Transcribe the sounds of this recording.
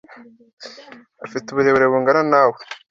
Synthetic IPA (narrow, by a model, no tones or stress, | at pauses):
afituβuɾeβeɾeβuŋɡaɾanaːwe